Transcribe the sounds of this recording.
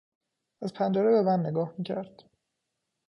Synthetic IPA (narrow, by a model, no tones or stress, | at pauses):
æzpʰænd͡ʒeɾebemænːeɡɒːhmiːcʰæɾd̪̥